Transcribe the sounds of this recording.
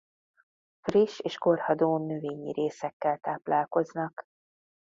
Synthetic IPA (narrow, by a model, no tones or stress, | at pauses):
friʃeːʃko̞rhɒd̪oːnøveːɲḭɾʔeːsɛkːɛlt̪aːplaːlko̞znɒk